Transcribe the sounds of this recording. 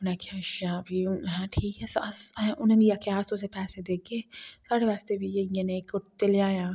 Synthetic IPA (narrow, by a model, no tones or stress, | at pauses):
ʊnakʰaʃaːbʱiɦɛ̃ʈʰiːkɦɛssɛ̃ʔʊnnijakjaːst̪osepɛːsed̪eːk̚ɡeːsaːɽeʋaːst̪ebʱijejenekʊʈt̪elaːjaː